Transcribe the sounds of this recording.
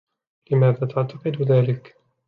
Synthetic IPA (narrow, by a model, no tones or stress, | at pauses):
lɪmaːðaːt̪aʕt̪ɑqɨd̪ðaːlɪk